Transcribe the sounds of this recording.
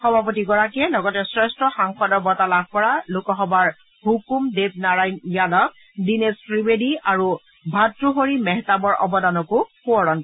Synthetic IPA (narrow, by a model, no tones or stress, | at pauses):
xɔbʱapotiɡɔɹakɛlɔɡɔtɛsɹɛstɹɔxaŋxɔdɔɹbɔtalab̚ʱkɔɹalʊkɔxɔbaɹ | hukumdep̚naɹajnjalɔk̚ | dinesfɹibediaɹu | bʱatɹuɦoɹimɛɦtabɔɹʔɔ̰bɔdanɔkʊpuɔɹɔn